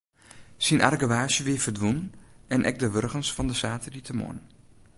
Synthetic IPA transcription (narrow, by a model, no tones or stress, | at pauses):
sinʔa̰rɡəʋaːʃjəʋɪəfərdʋunnɛnʔɛ̰k̚dəʋørɣənsfɔndəsaːtʰəritʰəmo̰n